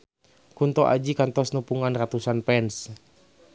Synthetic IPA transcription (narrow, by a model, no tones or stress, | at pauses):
kunt̪ɔʔa̰d͡ʒikant̪ɔsnupuŋanrat̪usanpɛns